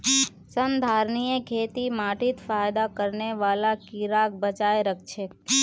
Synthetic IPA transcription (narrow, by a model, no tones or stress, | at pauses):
sənd̪ʱaɾnijekʰet̪imaʈit̪fajd̪akəɾneʋalakiɾak̚bət͡ʃaeɾək̚ʰt͡ʃʰe